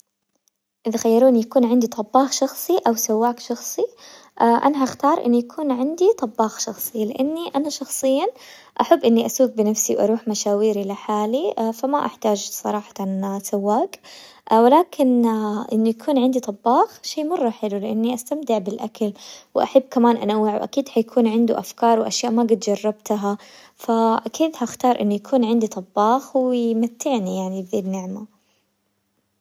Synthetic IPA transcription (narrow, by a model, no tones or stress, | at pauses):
ʔɪðaxajːɑɾˤuːʔɪnjakuːnʕɪnd̪it̪ˤɑbːɑːxʃɑxsˤiʔawsawːaːkʃɑxsˤi | ʔaʔa̰naɦaxt̪ɑːɾˤʔɪ̰nːujakʰuːnʕɪnd̪it̪ˤɑbːɑːxʃɑxsˤɨlɪʔanːiʔanaʃɑxsˤɨjːa | ʔaħabːʔɪnːiʔasuːk̚bɪnafsiwʔɑ̰ɾˤuːħmaʃaːwiːɾilɪħaːlifamaʔa̰ħt̪aːd͡ʒsˤɑ̰ɾˤɑːħɑ̥t̪nsawːaːk | wɪlaːkʰɪnʔɪ̰nːujakʰuːnʕɪnd̪it̪ˤɑbːɑːxʃeːmɑrˤːɑħɪlulɪʔa̰nːiʔast̪amt̪ɪʕbɪlʔakalwɪʔa̰ħabːkamaːnʔanawːɪʕwʔa̰kiːd̪hajakʰuːnʕɪnd̪uʔafkɑːɾˤwʔaʃjaːʔmaɡɪt̪d͡ʒɑrˤːɑb̚t̪aa | faʔakiːd̪haxt̪ɑːɾˤʔɪ̰nːujakʰuːnʕɪnd̪it̪ˤɑbːɑːxwɪjmat̪ːɪʕnijaʕnibɪnːɪʕma